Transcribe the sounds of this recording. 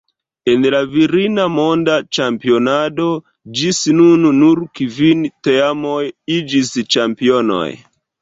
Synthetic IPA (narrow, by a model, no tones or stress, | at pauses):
e̞nlaviɾinamo̞ndat͡ʃampio̞nado̞ | d͡ʒisnunnuɾkivinteamojid͡ʒist͡ʃampio̞no̞̰j